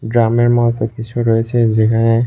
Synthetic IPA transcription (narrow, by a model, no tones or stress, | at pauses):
dɹamɛɹmɔtɔpisɔɹojsɛzikʰanɛ